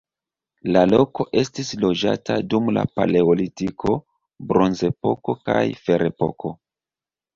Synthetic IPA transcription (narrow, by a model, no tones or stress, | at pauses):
lalo̞ko̞ʔe̞stislo̞d͡ʒa̰tʰadumla̰pa̰le̞olitikʰo̞ | bɾo̞nze̞po̞ko̞ka̰jfe̞ɾʔepo̞̰kʰo̞